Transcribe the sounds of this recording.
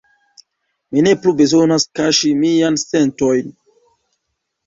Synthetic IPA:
mine̞plube̞zo̞naskaʃimijanse̞nto̞jn

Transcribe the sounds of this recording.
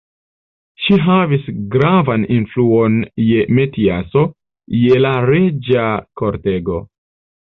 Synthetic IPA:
ʃiɦavisɡɾavaninfluo̞nje̞me̞tiaso̞ | je̞laɾe̞d͡ʒakoɾte̞ɡo̞̰

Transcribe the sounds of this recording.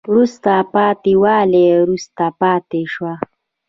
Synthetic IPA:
ɾust̪apɑːt̪iwɑleɾust̪apɑːt̪eʃwa

